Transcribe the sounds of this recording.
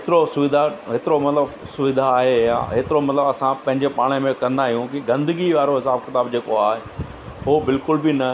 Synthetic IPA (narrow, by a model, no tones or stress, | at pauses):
ɦɪt̪ɪɾosʊʋɪd̪ʱaɦet̪ɪɾomɐt̪ləbsʊʋɪd̪ʱaːɦejã̰ːɦeːt̪ɪɾomɐt̪ləbɐsãpɐ̃ɦɪɲd͡ʑepaːɽ̃əmẽkɐɾə̃nd̪aːɦijũkiɡɐ̃nd̪əɡiʋaːɾoɦɪsaːbkɪt̪aːbd͡ʑeːkoaːɦe | ɦoːbɪlkʊlbɪnɐ